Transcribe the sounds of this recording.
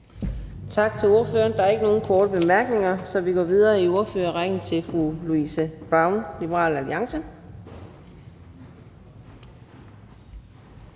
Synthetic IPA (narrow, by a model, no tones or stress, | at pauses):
t͡sʰɑ̈ɡ̥̚t͡sʰe̝lo̝ɐfø̰ːɐnd̥ɑ̈æɐe̝ɡ̥əno̝ːn̩kʰɒːɾ̥əb̥e̝mæɐɡ̥ne̝ŋɐsɒ̽ʋiɡ̥ɒ̰ːʋið̞ˠɐːio̝ɐføːɐʁaɡ̥n̩t͡sʰe̝lfʁuluisəb̥ʁɑ̈ʊnlibəʁɑ̰ːlæliɑ̈ŋsə